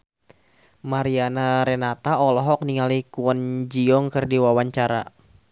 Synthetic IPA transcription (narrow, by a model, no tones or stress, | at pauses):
maɾianaɾɛnat̪aɔlɔɦɔk̚niŋalikuənd͡ʒiɔŋkɨrdiwawaɲt͡ʃaɾa̰